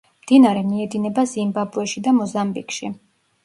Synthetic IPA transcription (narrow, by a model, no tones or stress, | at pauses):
md̪̥inaɾɛmiɛd̪inɛbazimbabɾuɛʃid̪amɔzambikʃḭ